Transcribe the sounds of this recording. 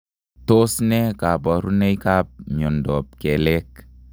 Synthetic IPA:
to˦snɛ˦ka˨pɔ˨ɾu˦ne˦jka˦p̚ɲɔ˨ndɔ˨p̚kɛ˨lɛ˦k

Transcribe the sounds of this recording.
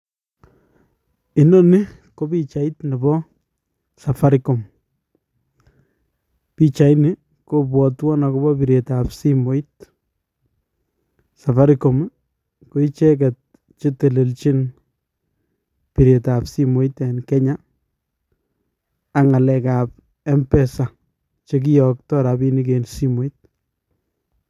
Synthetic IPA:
ɪ˨nɔ˦nɪ˦ | ko˦bi˦t͡ʃa˨i˦tnɪ˨bɔ˦ | sa˨fa˦ɾiko˨m | pit͡ʃa˨jnɪ˦ | ko˦pwɔ˨twɔ˦na˨ko˦bɔpi˨ɾe˨tapsi˦mo˦it | sa˨fa˦ɾiko˨m | ko˦it͡ʃɛ˦k̬ɛ˨t̚ | t͡ʃe˦te˨le˨lt͡ʃi˦n | pi˨ɾe˨tapsi˦mo˨˦itenkɛ˦ɲa˦ | ŋa˨lɛ˨kap̚ | ɛ˦mpɛsa˨ | t͡ʃek̬i˦jɔk̚tɔ˦ɾa˨bi˦ni˦k̬ensi˦mo˦it̚

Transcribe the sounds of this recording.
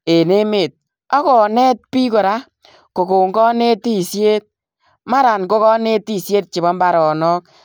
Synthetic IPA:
e˨ne˦me˨t̚ | ɔ˦kɔ˨nɛ˦t̚pi˦ko˨ɾa˦ | ko˨ko˨ŋɡɔ˦ne˦ti˦˨sje˦t̚ | ma˦ɾa˨nko˦kɔ˦ne˦ti˦˨sje˦t̚t͡ʃi˨bɔ˦mba˨ɾɔ˨nɔ˦k

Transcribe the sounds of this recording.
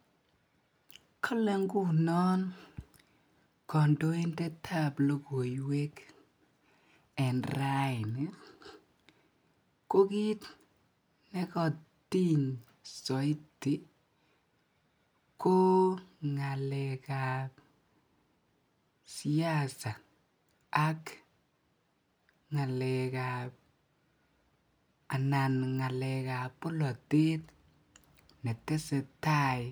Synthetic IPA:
kʰɔ˦lɛ˦ŋɡu˦˨nɔ˦n | kɔ˨ndo˦e˦ndɛ˦tʰa˦plo˦ko˨jwe˦k | ɛ˨nra˦ɪ˨nɛ˨ | ko˦ki˦t | nɛ˦kɔ˨ti˦ɲ | sɔ˨i˦ti˨ | ko˦ŋa˨lɛkap | si˦a˦sa˨ | a˦k | ŋa˨lɛ˨kap̚ | a˨na˨nŋa˨lɛ˨ka˨po˦lɔ˨te˦t | nɛ˨tːɛ˦sɛ˨ta˦j

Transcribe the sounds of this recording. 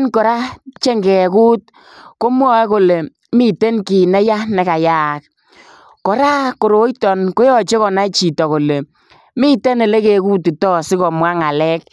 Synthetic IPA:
nkɔ˨ɾa˦t͡ʃe˦ŋɡɛ˨ku˦t̚ | ko˦m˦ɔ˦ɛ˦ko˨le˨ | mi˦te˦nki˨nɛ˦ja˦nɛ˨ka˨jaː˦k̚ | kɔ˨ɾa˦ko˨ɾo˨˦jtɔ˨nko˦jɔ˦˨t͡ʃe˦kɔ˨na˦t͡ʃi˨tɔ˨ko˨le˨ | mi˦te˦nɛ˨le˦ke˨ku˦tɪ˨tɔ˦sɪ˦kɔ˨mwa˦ŋa˨lɛ˦k̚

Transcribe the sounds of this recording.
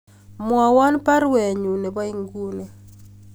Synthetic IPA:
mwɔ˨wɔ˦npa˦ɾwɛ˨ɲu˨ne˨ba˦i˦ŋɡu˦ne˨

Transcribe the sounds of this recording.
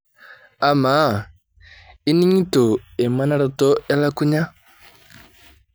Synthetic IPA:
a˨ma˨˦˨ | i˦ni˦ɲi˦to˨e˨ma˦na˦ɾa˦to˦a˦la˦ku˦ɲa˦

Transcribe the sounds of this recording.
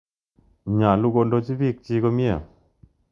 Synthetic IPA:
ɲa˨lu˧ko˧ndo˧˦t͡ʃi˦vi˦˨k̚t͡ʃi˧kɔ˧mi˦ə˨

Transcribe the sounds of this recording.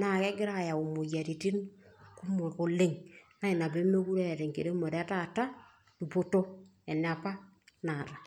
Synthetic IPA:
na˨kɛ˦ɡɪ˦ɾa˦˨ja˨u˨mu˨ja˨ɾi˨ti˦nku˦mo˨ko˨le˦˨ŋna˦i˨na˨be˦me˦ku˦ɾɛ˦˨ɾe˨ŋkḛ˨ɾe˦mɔ˨ɾa˦ta˦˨ta˦ | tu˨po˦to˦ | ɛ˨nɪ˨a˨pa˦ | na˨ɾa˨

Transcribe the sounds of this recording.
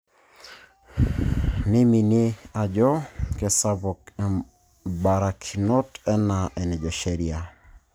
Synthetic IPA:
ni˦mi˨ni˦a˨d͡ʒɔ˦ke˨sa˦bɔ˨kɛ˨ | ba˨ɾa˨kʰi˨nɔ˦tɛ˦na˨ʔɛ˨nɛ˨d͡ʒɔ˨ʃɛ˦ɾia˨

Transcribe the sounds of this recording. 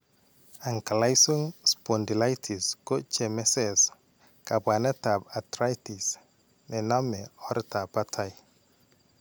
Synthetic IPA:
a˨ŋka˨la˦jso˦ŋspo˨ndi˨la˦jtʰi˨sko˦t͡ʃɛ˨mɛ˦sɛs | ka˨ba˨ne˦ta˨ba˨tɾa˦jti˨s | nɛ˨na˦mɛɔ˦ɾta˨pa˦tʰaj

